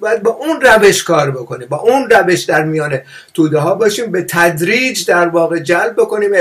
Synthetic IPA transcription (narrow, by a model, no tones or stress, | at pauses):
bɒjæd̪̚bɒːʔunræve̞ʃkʰɒːɾbe̞ko̞niːmbɒːʔunræveʃd̪æɾmijɒːne | t̪ʰuːd̪eɦɒːbɒːʃiːmbe̞t̪ʰæd̪ɾiːd͡ʒd̪æɾvɒːɣe̞d͡ʒælb̚ːoko̞niːme